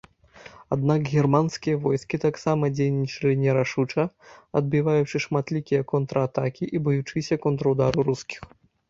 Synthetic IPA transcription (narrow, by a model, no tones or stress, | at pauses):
ad̪nakɣʲɛrmanskʲijɐvɔjskʲit̪aksamɐd͡zʲejnʲit͡ʂɐlʲinʲɛɾaʂut͡ʂɐɐd̪̚bʲivajut͡ʂɨʂmat̪lʲikʲijɐkɔnt̪ɾɐat̪akʲiʔibɨjut͡ʂɨsʲɐkɔnt̪ɾɐwd̪aɾuɾuskʲi̥x